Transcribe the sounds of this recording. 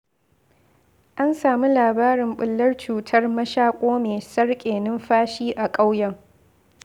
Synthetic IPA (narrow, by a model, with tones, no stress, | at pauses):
ʔa˦nsaː˨mi˦laː˨baː˦ɾɪ˨mɓʊ˨lːɐ˦rt͡ʃuː˨tʰɐ˦rmɐ˦ʃaː˦kʷʼoː˦meː˨sɐ˦rkʲʼeː˨nɪ˦mɸaː˦ʃiː˦ʔa˨kʼa˦wjɐ˦ŋ